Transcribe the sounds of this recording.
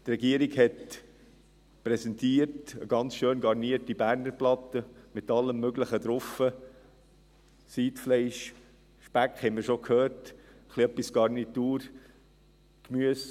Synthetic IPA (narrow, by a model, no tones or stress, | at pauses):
t̪rɛɡiəɾiɡhɛt | pɾɛsɛntiːəɾtə̰ɡ̥ɑnt͡sʃøːnɡɑɾniəɾtibæɾnəɾplɑtəmɪtɑlːəmːøɡləχəd̪ɾʊfə | siːtflɛɪʃ | ʃpækhɛɪmiəɾʃokʰhøːɾt | əχliœpːisɡ̥ɑɾnituːɾ | kmyəs